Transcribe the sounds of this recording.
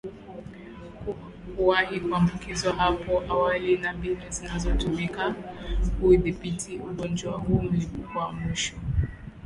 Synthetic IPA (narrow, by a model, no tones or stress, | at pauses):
kuwahikuambukizwaɦapɔʔawalinambilizinazɔtumikahuiðipitʰiuɠɔnd͡ʒwahuːm̩lipukwamiʃɔ